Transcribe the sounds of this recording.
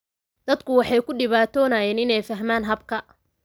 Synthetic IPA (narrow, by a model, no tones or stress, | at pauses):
d̪̥ɐd̪kʰʊwɑħɑjkʰʊɖɪβaːt̪ʰɔːnaːjɛːnɪnɛjfɐɦmaːnɦɐbkʰɐ